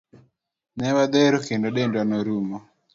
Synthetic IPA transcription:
nɛwad̪eɾokendoɗendwanoɾumɔ

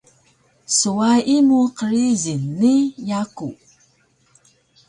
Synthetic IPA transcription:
suaimuqəɾizinːijaku

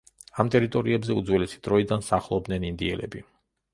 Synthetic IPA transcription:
amt̪ʼɛɾit̪ʼɔɾiɛbzɛud̪zwɛlɛsid̪̥ɾɔid̪ansaχlˠɔb̚d̪nɛnind̪iɛlɛ̰bi

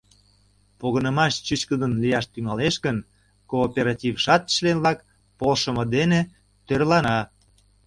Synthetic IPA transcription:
poɣənə̆mɑʃt͡ɕyt͡ɕkəd̪ənlijɑʃt̪yŋɑleʃkən | koːpeɾɑtʲivʃɑt̪ə̥ʃlenlɑk | polʃə̆mɤ̆d̪ene | t̪ørlɑnɑ

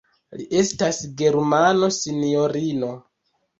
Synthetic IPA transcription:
liʔe̞stasɡe̞ɾmano̞sinio̞ɾino̞

